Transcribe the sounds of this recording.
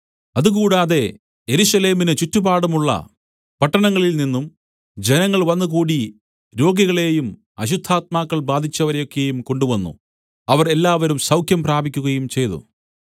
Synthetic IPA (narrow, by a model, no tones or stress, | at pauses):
ɐðuɣuːɽaːðe̞ | je̞ɾusɐle̞ːminɨt͡ɕutːubaːɽɐmuɭːɐ̰ | pɐʈːɐɳɐŋːɐɭilninːum | d͡ʑe̞nɐŋːɐɭʋɐnːukuːɽi | ɾo̞ːɡiɣɐɭe̞ːjum | ɐɕud̪ʱːaːt̪̚maːkːɐɭbaːd̪ʱit͡ɕːɐʋɐɾejo̞kːe̞jumko̞ɳɖuʋɐnːṵ | ɐʋɐre̞lːaːʋɐɾumsɐwkʰjɐmpraːbʱikʲːuɣɐjumt͡ɕe̞jt̪ṵ